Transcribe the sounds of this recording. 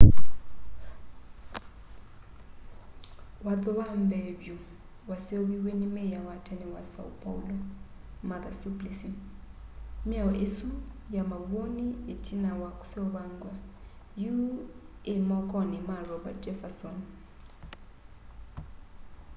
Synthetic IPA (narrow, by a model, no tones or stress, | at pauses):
wad̪ɔβambɛbju | wasioβiwenimɛjawatʰaniwasa̰upʼa̰ulɔ | maðasuplisi | mijawaʔesujamaβonietʰinawaku̥sɛuβaŋɡwa | juemɔkʼɔnimarɔbatʼɛfasɔn